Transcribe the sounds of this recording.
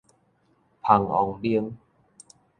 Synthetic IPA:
pʰa˨˩ŋʔɔ̰˨˩ŋdi˧ə˧ŋ

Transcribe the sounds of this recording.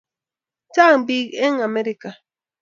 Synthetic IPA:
t͡ʃa˦ŋbiɡe˦ŋa˨meɾika˨

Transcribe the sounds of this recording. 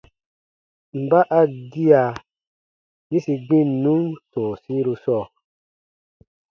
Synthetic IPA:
m̩˨ba˦ʔa˦ɡi˦a˨ | ɲĩ˦si˧ɡ͡bĩ˦n˨nũ˦nsɔ̃˨sĩ˦ɾu˧sɔː˦˨

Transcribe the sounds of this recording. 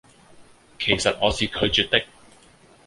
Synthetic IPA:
kʰe˨˩jsɐ˨t̚ŋɔː˨˧siː˨kʰɵ˨˧ɥt͡ʃyː˨t̚t̪ɪ˥k̚

